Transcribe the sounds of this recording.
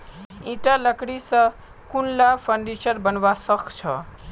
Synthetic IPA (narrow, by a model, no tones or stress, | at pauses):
iʈalʌkɽisʌ | kunlapʰʌɳɖit͡ʃʌrbʌnwasʌkt͡sʰʌ